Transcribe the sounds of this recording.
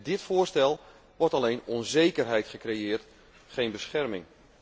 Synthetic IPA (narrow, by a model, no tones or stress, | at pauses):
dɪtfʊːrstɛlˠ | ʋɔɹtalejnɔnzejkərɦɛjtχəkrejɪːrt | χejnbəsχɛrmɪŋ